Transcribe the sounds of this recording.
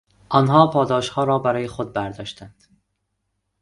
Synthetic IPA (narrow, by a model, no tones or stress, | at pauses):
ʔɒnɦɒːpʰɒːd̪ɒːʃhɒːɾɒːbæɾɒːjexod̪̚bæɾd̪ɒːʃt̪ænd̪̥